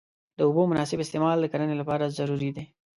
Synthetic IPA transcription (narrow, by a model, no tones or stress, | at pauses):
d̪əobomʊnɑsɪbɪst̪emɑld̪əkaɾənelapɑɾazaɾuɾid̪e